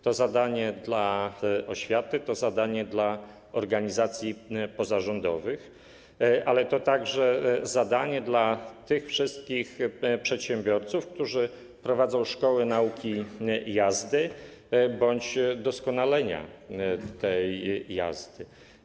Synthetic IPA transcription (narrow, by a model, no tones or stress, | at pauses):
t̪ɔzad̪aɲɛd̪laʔɔɕfʲjat̪ɘt̪ɔzad̪aɲɛd̪la | ɔɾɡaɲizat̪sʲjipɔzaʐɔnd̪ɔvɘx | ʔalɛt̪ɔt̪aɡʐɛzad̪aɲɛd̪lat̪ɘxfʂɘst̪̚kʲixpʂɛt̪ɕɛmbʲjɔɾt̪sufk̚t̪uʐɘ | pɾɔvad̪zɔ̃w̃ʂkɔwɘnaukʲijazd̪ɘ | bɔɲd͡ʑd̪ɔskɔnalɛɲa̰t̪ɛjja̰zd̪ɘ